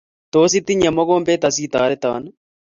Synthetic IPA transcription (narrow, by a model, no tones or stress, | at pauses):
t̪oːs̬it̪ːiɲɐmːoɡoːmpeːt̪ɐsiːt̪aːɾet̪a̰ːn